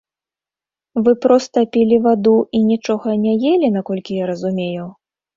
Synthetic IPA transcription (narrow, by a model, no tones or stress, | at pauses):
vɨpɾɔst̪ɐpʲilʲivad̪uʔinʲit͡ʂɔɣɐnʲɛjelʲinakɔlʲkʲijaɾɐzumʲejuw